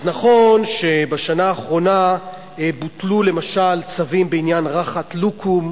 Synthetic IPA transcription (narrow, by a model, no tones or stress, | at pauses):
znaχo̞nʃe̞baʃanaːχʁo̞na | butlule̞maʃalt͡savimbeinjanʁaχat̪lukʰum